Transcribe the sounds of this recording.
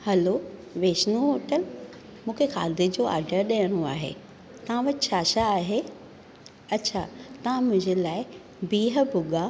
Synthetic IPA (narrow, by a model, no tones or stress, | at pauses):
hɐloʋeːʃnuɦoːʈəl | mũːkʰexa̰ːd̪ʱed͡ʑoːa̰ːɾɖəɾɗɐjəɽ̃oaːɦḛː | t̪ɐʋ̤ãʋɐtt͡ɕʰaːɕaːɦe | ɐtːɕʰat̪ɐʋ̤ãmʊ̃ɦɪ̃ɲd͡ʑelaːɪ | biːɦə̆bʱʊɡa